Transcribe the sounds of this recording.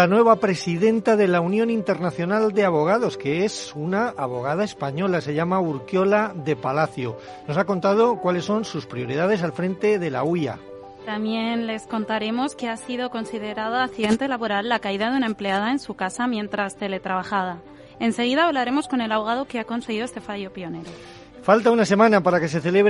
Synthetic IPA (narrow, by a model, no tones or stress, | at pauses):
lanwe̞β̞apɾe̞siðe̞nt̪aðe̞launjõ̞nint̪e̞ɾnaθjo̞nald̪e̞aβo̞ɣ̞aðo̞ske̞esunaaβo̞ɣ̞að̞ae̞spaɲo̞lase̞ʝamauɾkjo̞laðe̞palaθjo | no̞sako̞nt̪að̞okwalesːo̞nsuspɾio̞ɾið̞að̞e̞salfɾẽ̞nt̪e̞ðe̞la̰uja̰ | t̪amje̞nle̞sko̞nt̪aɾe̞mo̞ske̞asiðo̞ko̞nsið̞e̞ɾað̞aːθiðe̞nt̪e̞laβo̞ɾalːakaiðaðeunaemple̞aðaensukasamjẽ̞nt̪ɾast̪e̞le̞t̪ɾaβaxaða | e̞nse̞ɣ̞iðaːβlaɾe̞mo̞sko̞ne̞laβo̞ɣ̞að̞o̞keako̞nse̞ɣ̞iðoest̪e̞faʝo̞pjo̞ne̞ɾo̞ | falt̪aunase̞mãnapaɾake̞se̞θe̞le̞βɾ